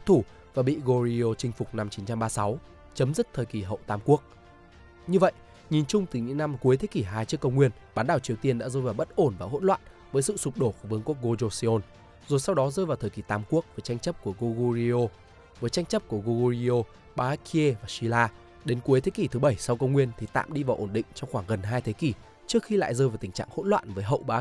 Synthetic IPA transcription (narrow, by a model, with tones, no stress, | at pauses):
t̪ʰu˧˩ | vaː˨˩ɓḭ˧˨ɣo˧ɾi˧o˧t͡ɕï˧ŋ̟fʊ˨˩k͡p̚na˧mt͡ɕi˨˦nt͡ɕa˧mɓaː˧sa˨˦w | t͡ɕə˨˦mzɨ˦˥k̚t̪ʰəː˨˩jki˨˩ɦə̰˧˨wt̪aː˨˧˩mku˦˥ək̚ | ɲɨ˧və̰˧˨jʔ | ɲi˨˩nt͡ɕʊ˧ŋ͡mt̪ɨ˨˩ɲɨ̰˧˥ŋna˧mku˨˦əjt̪ʰe˨˦ki˧˨˩ɦaː˧jt͡ɕɨ˦˥əkːə˧wŋ͡mŋwi˧ənɓaː˨˦nɗaː˧˩wt͡ɕi˨˩əwt̪i˧ənɗa̰ː˧˥zəː˧jvaː˨˩wɓə˦˥t̚ʔo˧˩nvaː˨˩ɦo̰˧˥nlwa̰ː˧˨n | vəː˨˦jsɨ̰˧˨sʊ˨˩k͡p̚ɗo˧˩fo˧˩vɨ˨˦əŋku˦˥ək̚ɣo˧zo˧si˧o˧n | zo˨˩jsa˧wɗɔ˨˦zəː˧jvaː˨˩wt̪ʰəː˨˩ki˧˩t̪aː˨˦mku˦˥ək̚vəː˨˩˦jt͡ɕa˧jŋ̟t͡ɕə˦˥p̚ku˧˩əɣo˧ɣo˧zi˧o˧ | vəː˨˦jt͡ɕa˧jŋ̟t͡ɕə˦˥p̚ku˧˩əɣo˧ɣo˧i˧o˧ | ɓaː˧˦ki˧e˧vaː˨˩si˧laː˧ | ɗe˨˦nku˨˦əjt̪ʰe˨˦ki˧˩t̪ʰɨ˨˦ɓə˧˩jsa˧wkə˧wŋ͡mŋwi˧ənt̪ʰi˨˩t̪a̰ː˧˨mɗi˧vaː˨˩ʔo˧˩nɗḭ˧˨ŋ̟t͡ɕɔ˧wxwaː˧˩ŋɣə˨˩nɦaː˧jt̪ʰe˨˦ki˧˩ | t͡ɕɨ˦˥ək̚xi˧la̰ː˧˨jzəː˧jvaː˨˩wt̪i˨˩ŋ̟t͡ɕa̰ː˧˨ŋho̰˧˥nlwa̰ː˧˨nvəː˨˦jɦə̰˧˨wɓaː˨˦